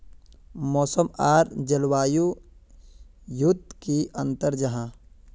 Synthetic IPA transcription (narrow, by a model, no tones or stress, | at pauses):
mɔːsəmaːɾd͡ʒəlwaːju | jʊd̪ʱkiʔɐ̃nt̪əɾd͡ʒɐɦãː